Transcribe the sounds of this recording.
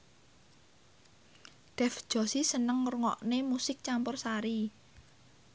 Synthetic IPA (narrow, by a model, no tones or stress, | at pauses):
ɖ̥ɛ̤fd̥ʒ̥ɔ̤sisənəŋːrŋɔ̰ʔnemusɪk̚t͡ʃampʊrsaɾi